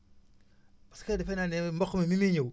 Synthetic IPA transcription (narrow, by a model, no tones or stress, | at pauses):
baskedifenanembokːumimimiɲow